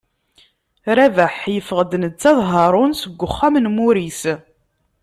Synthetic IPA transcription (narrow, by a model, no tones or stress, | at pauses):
ɾævæħjəfəʁəd̪nət͡sːɑðˤɦɑɾˤʊnsəɡʷːʊχːamnmuɾis